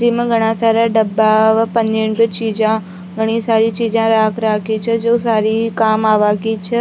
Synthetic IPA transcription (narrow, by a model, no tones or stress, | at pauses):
d͡ʒimãɡʱəɽ̃ãsaɾaɖəbaʋapəneɳbət͡ʃid͡ʒã | ɡʱəɽ̃isaɾit͡ʃid͡ʒãɾakʰɾakʰit͡ʃʰɛd͡ʒosaɾikamaʋakit͡ʃʰe